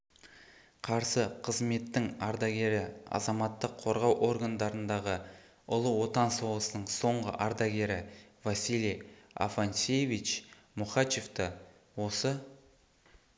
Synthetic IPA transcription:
qʰɑɾsəqʰəzme̞t̪ːɪŋɑɾd̪ɑɡʲe̞ɾɪɑ̰zɑmɑt̪ːəqʰːo̞ɾʁɑwʔo̞rɡand̪ɑɾənd̪ɑʁə | ʊlˠəwo̞t̪ɑnsowlˠəsənəɴso̞ɴʁə̰ʔɑɾd̪ɑɡʲe̞ɾɪvasilija̰fansʲejvit͡ʃ | muχɑt͡ʃe̞ft̪ə | wo̞sə

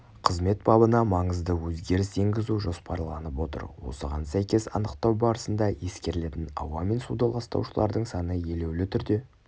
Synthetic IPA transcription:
qʰəzme̞t̪̚bɑbənɑmɑɴəzd̪əwɵzɡʲe̞ɾɪse̞ŋɡʲɪzuʒo̞spɑɾlˠɑnəpwo̞t̪ə̰ɾwo̞̰səʁɑ̰nsæjkʲe̞sɑ̰nəqt̪ɑwbɑɾəsənd̪ɑje̞skʲe̞ɾle̞t̪ɪnɑ̰wɑme̞nsud̪ɑlˠɑst̪ɑ̰wʃəlˠɑ̰ɾd̪əɴsɑnəje̞le̞wlɪt̪ʰʏɾd̪e̞

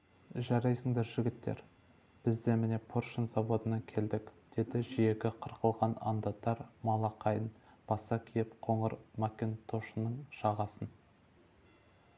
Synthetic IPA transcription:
ʒɑɾɑjsəŋd̪eɾʒɪɡʲɪt̪ːḛɾ | b̥ɪzd̪e̞mɪne̞pʰoɾʃənzɑbo̞d̪ənɑkʲʰe̞ld̪ɪkd̪̥e̞d̪ɪʒije̞kʲɪqʰəɾqəlˠʁɑnɑ̰nd̪ɑt̪ːɑɾmɑlˠɑqɑjənb̥ɑsɑkʲʰijɪpqʰo̞ɴəɾmɑkʲent̪ʰo̞ʃənːəɴʃɑʁɑsən

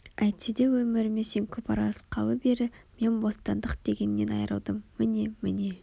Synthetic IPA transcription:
æjt̪sed̪e̞wɵmɪɾɪme̞se̞ŋkʲʰɵpɑɾɑzqʰɑlˠəbe̞ɾɪme̞nbo̞st̪ɑnd̪əqd̪̥e̞ɡʲe̞nːe̞nɑjɾə̰lˠd̪əmːɪne̞mɪne̞

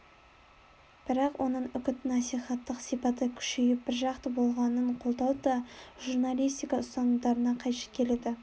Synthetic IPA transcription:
b̥ɪɾɑqwʔo̞nəɴʏkʲɪt̪nɑsijχɑt̪ːəqsijpɑt̪əkʲʰʏ̥ʃejɪp̚bɪɾʒɑqt̪əbo̞lˠʁɑnəɴqʰo̞lˠd̪ɑlˠd̪əʒuɾnalʲijst̪ijkɑʊst̪ɑnəd̪ɑɾənɑqʰɑjʃɑ̥kʲʰe̞led̪ɪ

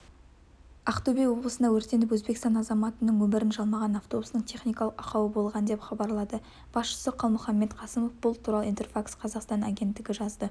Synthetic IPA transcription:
ɑqt̪obejwo̞bləsənd̪ɑwɵɾt̪e̞nɪp̬wɵzbe̞kst̪ɑnɑzɑmɑt̪ənəŋwɵmɪɾɪnʒɑlˠmɑʁɑnɑft̪o̞bust̪əɴt̪ʲʰe̞χnijkɑlˠəqɑqɑwəbo̞lˠʁɑnəd̪epχɑbɑɾlˠɑd̪ə | b̥ɑsʃə̥səqʰɑlˠmʊχɑmːe̞t̪qʰɑsəmo̞fbʊlˠt̪ʰuɾɑlˠəijnt̪erfaksqʰɑzɑqst̪ɑna̰ɡʲe̞nt̪ːɪɡʲɪʒɑzd̪ə

